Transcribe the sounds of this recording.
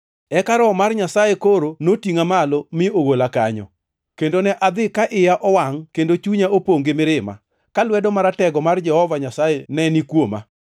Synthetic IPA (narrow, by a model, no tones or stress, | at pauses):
ɛkaɾɔmarɲasajekoɾonotiŋamalomɪoɡolakaɲɔ̰ | kendonɛʔad̪ɪkaʔɪjaʔɔwaŋkendot͡ʃuɲaopoŋɡemɪɾɪma̰ | kalwɛdɔmaɾatɛɡɔmard͡ʒɛhɔvaɲasajenɛnikwoma̰